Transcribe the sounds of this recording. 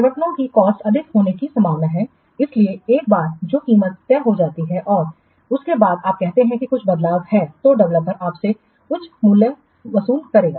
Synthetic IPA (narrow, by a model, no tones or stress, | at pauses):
pɐʋəʈnõkikɔːsʈsɐd̪ʱɪkɦoːnekisɐ̃mbʱaːʋnaɦɛ | ɪslieeːk̚baːɾd͡ʒoːkiːmət̪ːɛːɦod͡ʒaːt̪iɦɛʔɔːɾ | ʊskebaːd̪aːp̚kɛɦt̪eɦɛ̃kikʊt͡ʃʰbɐd̪laːʋhɛːt̪oɖɐʋləpːɐɾaːpse | kʊt͡ʃʰmulə | ʋɐsuːlkɐɾeːɡaː